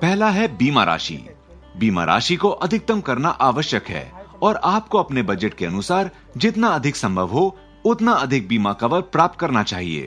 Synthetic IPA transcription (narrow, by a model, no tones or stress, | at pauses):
pɛɦlaɦɛbiːma̰ɾʔa̰ːʃḭː | biːma̰ɾʔa̰ːʃikoʔɐd̪ʱɪk̚t̪əmkɐɾnaʔaːʋəʃjəkɦɛ̰ːɔːɾaːp̚koɐpnebɐd͡ʒəʈkeɐnʊsaːɾ | d͡ʒɪt̪naɐd̪ʱɪksɐ̃mbʱəʋɦo | ʊt̪naɐd̪ʱɪk̚biːmakɐʋəɾpɾaːp̚t̪̚kɐɾnat͡ʃaːɦiḛː